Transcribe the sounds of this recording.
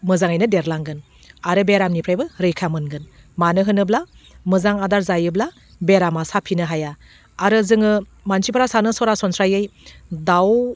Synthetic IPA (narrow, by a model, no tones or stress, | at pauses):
mɯzaŋajnɯdeɾlaŋɡɯn | aɾɯbeɾamnipʰɾajbɯɾɯjkʰamɯnɡɯn | manɯɦɯnɯblamɯzaŋadaɾzajɯbla | beɾamasapʰinɯɦajaː | ɾɯzɯŋɯ | mansipʰɯɾasanɯsɔɾasɔnsɾajɯjdaw